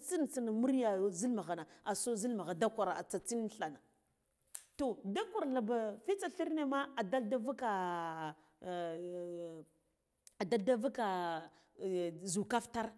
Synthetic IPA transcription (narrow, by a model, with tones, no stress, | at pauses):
t͡si˦n˨t͡si˦n˨mu˦ɾja˨zi˦lma˨ɣa˨na˨a˨so˦zi˦lma˨ɣa˨da˦kʷa˨ɾa˨a̰˨t͡sa˨t͡si˦n˦ɬa˨na˨ | to˨da˦kʷa˨ɾla˨ba˨fi˦t͡sa˨ɬi˦ɾne˦ma˦a˨da˦lda˦va˦ka˨ | a˨da˦lda˦va˦ka˨ | zu˨ka˦fta˦ɾ